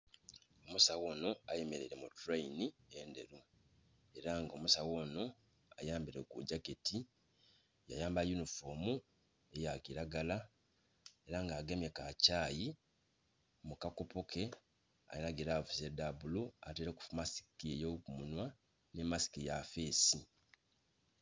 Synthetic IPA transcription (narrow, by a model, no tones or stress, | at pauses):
o̞musawo̞ːno̞ajemeɾḛɾemutuɾainieːnde̞̰ɾu | e̞ɾaŋɡo̞musawo̞ːno̞ | a̰jaːmbiɾe̞̰kuɟaketi | ja̰jaːmbajunifomu | e̞jakiɾaɡala | e̞ɾaŋɡaːɡe̞me̞kacaːji | mukako̞po̞kʰe̞ | a̰jenaɡeɾaːvuzedabulua̰teɾeku̥fumasi̥kiejokumunwa | nemasi̥kijafe̞ːsi